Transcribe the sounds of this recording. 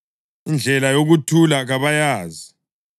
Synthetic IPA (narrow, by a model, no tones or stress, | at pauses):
ind͡ɮʱɛlajoɣutʰulaɣaβajaːzi